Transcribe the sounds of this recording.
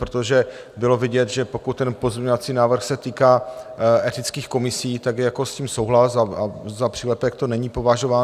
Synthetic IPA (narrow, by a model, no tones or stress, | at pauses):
pɾot̪oʒɛ | bɪlo̞vɪɟɛt̪ʒɛpo̞kut̪̚tːɛnpo̞zmɲɛɲovat͡siːnaːvr̩xsɛt̪iːkaːʔɛt̪ɪt͡skiːxko̞mɪsiːt̪aɡjɛjako̞sciːmso̞wɦlasaazapr̥ilɛpɛk̚t̪onɛɲipo̞vaʒo̞vaː